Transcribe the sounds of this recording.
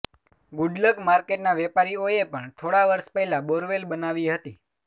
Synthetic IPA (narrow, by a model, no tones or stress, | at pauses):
ɡʊɖləkmaɾkeʈnaʋɛpaɾioepəɳt̪ʰoɽaʋəɾʃpɛɦlaboɾʋelbənaʋiɦət̪i